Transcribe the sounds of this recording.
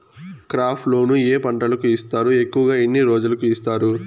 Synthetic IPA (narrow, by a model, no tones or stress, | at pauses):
kɾaːpʰlo̞ːnueːpɐɳʈɐlɐkuist̪aːɾue̞kːuʋɐɡaːinːiɾoːd͡ʒulɐkuist̪aːɾu